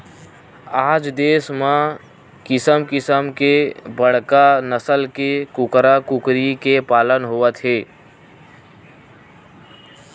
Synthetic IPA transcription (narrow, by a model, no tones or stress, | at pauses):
aːd͡ʒd̪eːsmã | kɪsəmkɪsəmkebəɽ̤kanəsəlkekʊkɾakʊkɾikepaːlənɦoːət̪ɦeː